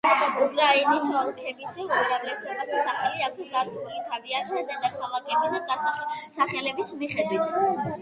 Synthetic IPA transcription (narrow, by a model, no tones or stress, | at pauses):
ukʼɾainisɔlˠkʰɛbisɛumɾavlɛsɔbasɛsaχaliakʰsɡaɾd̪iulit̪ʰavianad̪ad̪akʰalˠakʰɛbisɛd̪asaχɛlɛbismiχɛd̪wit̪ʰ